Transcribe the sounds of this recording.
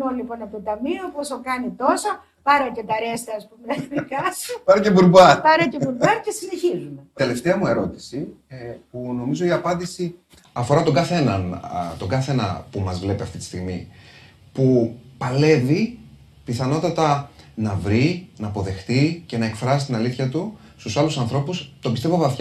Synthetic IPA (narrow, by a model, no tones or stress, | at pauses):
olipo̞nɐpt̪ot̪ɐmioposokɐnit̪o̞so | pɐɾoce̞t̪ɐɾest̪ɐɐspumenɐðikɐsopɐɾɐcebuɾbɐpɐɾɐcebuɾbɐɾcesine̞çizunet̪e̞le̞ft̪eɐmue̞ɾo̞t̪i̥sipuno̞mizo̞iɐpɐnd̪isi | ɐfo̞ɾɐt̪o̞ŋɡɐθe̞nɐnt̪o̞ɡɐθe̞nɐ̰pumɐzvle̞piɐft̪it̪i̥st̪iɣmi | pupɐle̞vi | piθɐno̞t̪ɐt̪ɐnɐvɾinɐːpo̞ðe̞xt̪ice̞nɐe̞kfɾɐsi̥st̪inɐliθçɐt̪u | st̪usɐlusɐnθɾo̞pust̪o̞bist̪e̞vo̞vɐθç